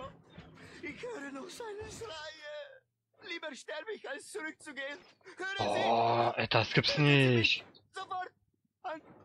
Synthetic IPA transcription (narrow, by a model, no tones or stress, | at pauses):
ɪçhøːɾənɔxsaɪnəʃʁaɪə | liːbəɾʃtɛɾbəɪçalst͡suʁʏk̚t͡suɡeːən | høːɾəɔʔɛt̪askəpsnɪç | z̥ofɔɾt̚ | aɪn